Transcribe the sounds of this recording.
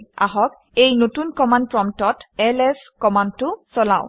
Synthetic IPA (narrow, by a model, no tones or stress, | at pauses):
a̰ɦɔk | ejnotunkɔmand̚pɹɔmtɔtɛlɛskɔmand̚tʊsɔlaʊ̃